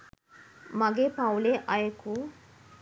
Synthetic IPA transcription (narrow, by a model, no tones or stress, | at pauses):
mʌɡepawleʔʌjeku